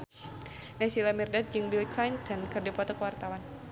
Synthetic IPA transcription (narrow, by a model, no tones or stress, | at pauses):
nɛsilamirdat̪̚d͡ʒɨŋbilklajnt̪ɔnkɨrdipɔt̪ɔkəwart̪awan